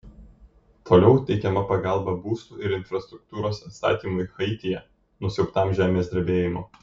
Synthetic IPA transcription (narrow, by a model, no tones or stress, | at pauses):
t̪ʰoːlʲɛʊt̪ʲɛɪkʲɛmɐpɐɡɑˑlˠbɐbuːst̪uːɪɾɪnfɾɐst̪ɾʊk̚t̪uːɾoːsɐt̪st̪ɑ̰ːt̪ʲiːmʊɪxɐɪt̪ʲɪjɛ | nʊsʲɛʊpt̪ɑˑmʒʲæːmʲeːsʲd̪ʲɐɾʲbʲeːjɪmo